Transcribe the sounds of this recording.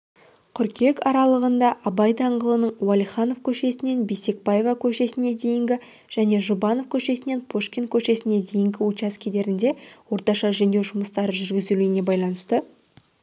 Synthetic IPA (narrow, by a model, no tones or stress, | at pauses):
qʰʏɾkʲe̞kɑɾɑlˠəʁənd̪ɑʔɑbɑjd̪ɑɴʁəlˠənəɴwɑlʲˠijχɑno̞fkʲʰɵʃe̞sɪne̞nbise̞k̚bɑje̞vɑkʲʰɵʃe̞sɪne̞d̪e̞jɪŋɡʲɪ | ʒ̥æne̞ʒubɑno̞fkʲʰɵʃe̞sɪne̞npʰoʃkʲen̚kʲʰɵʃe̞sɪne̞d̪e̞jɪŋɡʲɪut͡ʃɑskʲʰed̪e̞ɾɪnd̪e̞wo̞ɾt̪ɑʃɑʒend̪e̞wʒʊməst̪ɑɾəʒʏɾɡʲɪzuluɪne̞bɑjlˠɑnəst̪ə